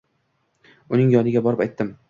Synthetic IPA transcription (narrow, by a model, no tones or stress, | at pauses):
ʊnɪŋjɒnɪɡʲabɒɾɪpajt̪ʰːɪm